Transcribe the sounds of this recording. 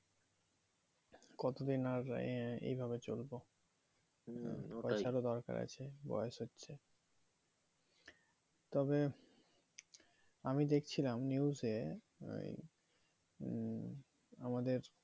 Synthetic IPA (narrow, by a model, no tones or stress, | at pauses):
kɔt̪od̪inaɾḛjbʱabet͡ɕolbo | pɔt͡ɕʰaɾod̪ɔɾka̰ɾa̰t͡ɕʰebɔ̰jeʃɦotːɕʰe | t̪ɔbe | amid̪ekʰt͡ɕʰilamniuzḛ | amad̪eɾ